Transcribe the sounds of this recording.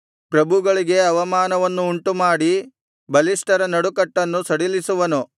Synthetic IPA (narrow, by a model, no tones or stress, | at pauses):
pɾɐbʱuɡɐɭiɡe̞ɐʋɐmaːnɐʋɐnːuːɳʈumaːɽi | bɐlisʈɐɾɐnɐɽukɐʈːɐnːusɐɽilisuʋɐnu